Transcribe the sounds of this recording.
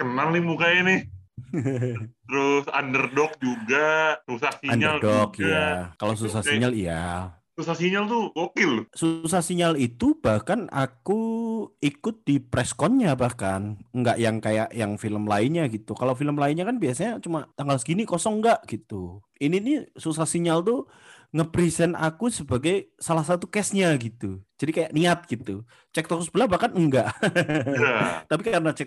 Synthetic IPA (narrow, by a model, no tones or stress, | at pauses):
kənalːɪmukajanɪh | t̪əɾʊsa̰ndərdɔk̚d͡ʒuɡasusasiandɲəarldɔkjakalos̬usasiɲalija | susasiɲalt̪uwokɪlsusasiɲalit̪ub̥ahkana̰kuikʊt̪̚dipɾɛskɔnɲabahkanŋɡaʔjaŋkajaʔjaŋfiləmlaɪnɲaɡit̪ukalofiləmlaɪnɲakanbiasaɲat͡ʃumat̪aŋɡalsɡinikɔsɔŋŋɡaʔɡ̥it̪u | ininisus̬asiɲalt̪u | ŋəpɾisɛnakusəbaɡajsalahsat̪ukɛsɲaɡit̪ud͡ʒ̥adikajaʔniat̪̚ɡ̥it̪u | t͡ʃɛk̚t̪ɔksusbəlahbahkanəŋɡaʔ | t̪ap̬ikaɾənat͡ʃɛk̚